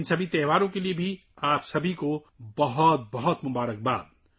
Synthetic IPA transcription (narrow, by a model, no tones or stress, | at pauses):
nsəbʱit̪ɛʋaɾõkeliebʱi | apsəbʱiko | bəɦʊt̪̚bəɦʊt̪mʊbaːɾək̚ba̰ːd̪̚